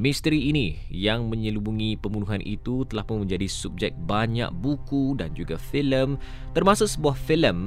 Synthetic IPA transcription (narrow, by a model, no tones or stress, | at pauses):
mĩst̪əɾiːni | jaŋmə̃ɲəlubuŋipəmbunuɦanʔḭt̪ut̪əlahpʊnmə̃ɲd͡ʒadisup̚d͡ʒɛk̚baɲa̰ʔ̚bukudand͡ʒuɡafiləm | t̪ərmasosəbuahfiləm